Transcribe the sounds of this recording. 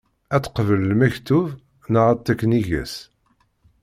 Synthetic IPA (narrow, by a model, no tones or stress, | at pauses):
æt͡sːə̥qvəllmæçt̪uv | nəʁæt̪ːækːniʝæ̰s